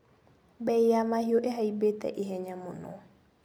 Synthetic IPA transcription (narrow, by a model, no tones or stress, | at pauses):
bɛjjamaɦioʔɛɦaibet̪ɛ̰ʔɪɦɛɲamʊnɔ̰